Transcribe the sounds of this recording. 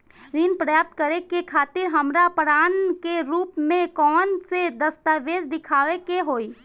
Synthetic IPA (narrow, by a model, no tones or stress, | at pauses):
ɾiːnpɾəjap̚t̪kəɾekekʰaːt̪ɪɾɦəmɾapəɾaːnkeɾuːpmẽkɔːnsed̪əst̪aːʋeːd͡ʒd̪ɪkʰaːʋekeɦoːiː